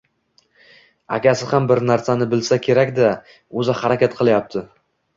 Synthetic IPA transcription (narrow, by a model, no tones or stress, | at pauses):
a̰kʲʰasɪhambɪɾnaɾsanɪbɪlsakʲʰe̞ɾakʲd̪a | ɵzahaɾakʲat̪̚qʰɨlˠajap̚t̪ʰɪ